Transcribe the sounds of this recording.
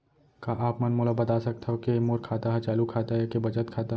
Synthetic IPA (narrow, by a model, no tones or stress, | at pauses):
kaʔaːpmənmolabɐt̪aːsɐk̚t̪ʰɦokemoːɾkʰaːt̪aɦɛt͡ʃaːlukʰaːt̪aɦekebɐt͡ʃət̪kʰaːt̪a